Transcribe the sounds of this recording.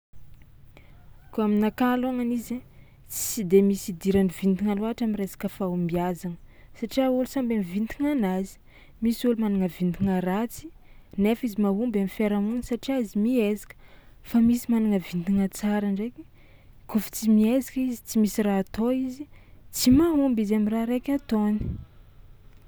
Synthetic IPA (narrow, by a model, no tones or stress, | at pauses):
koaminakalaŋanize | t͡si̥sid̪emisid̪iɾanivind̪iŋaluaʈ͡ʂaminresḁkəfaumiazanəsaʈ͡ʂiaulusambamivint̪iŋanazi̥ | misulumanaŋəvind̪iŋəɾat͡si̥nefizimaɦumbamifeɾamunəsaʈ͡ʂiaizimiezi̥kə̥famisimanaŋəvind̪iŋət͡saɾaɳɖ͡ʐeki̥ | kufi̥t͡simiezakizit͡simisiraːt̪oizit͡simaɦumbizamiraɾekʲat̪oni̥